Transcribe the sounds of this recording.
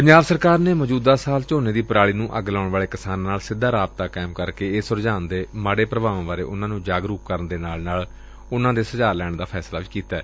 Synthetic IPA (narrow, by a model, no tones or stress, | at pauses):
pəɲd͡ʒaːbsəɾkaːɾneːməd͡ʒuːd̪aːsaːlt͡ʃoːnẽːd̪iːpəɾaːɭiːnũːʔəɡlaːʊɳʋaːɭeːkɪsaːnːaːlsɪd̪ʱːaːɾaːbt̪aːkɛːmkəɾkeːɪsʊɾd͡ʒaːnd̪eːmaːɽeːpɾəbaːʋãːʋaːɾḛːʔʊnãːnũːd͡ʒaːɡɾuːp̚kəɾənd̪eːnaːlnaːl | ʊnãːd̪eːsəzaːlɛːɳd̪aːpʰɛːslaːʋiːkiːt̪aːɛ̰ː